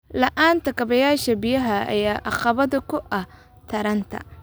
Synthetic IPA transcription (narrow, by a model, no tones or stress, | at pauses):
lɐʔaːnt̪ʰɐkʰɐβɐjaːʃɐbɪjɐɦɐɐ̰jaːʔɑqɑβɐðʊkʰʊʔɐh | t̪ʰɐɾɐnt̪ʰɐ̰